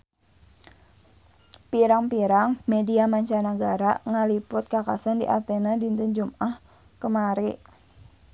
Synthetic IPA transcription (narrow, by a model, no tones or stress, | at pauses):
piɾaŋpiɾaŋmediamaɲt͡ʃanaɡaɾaŋalipʊt̪̚kaka̰sandḭʔa̰t̪ɛnadint̪und͡ʒumʔah | kəmaɾiʔ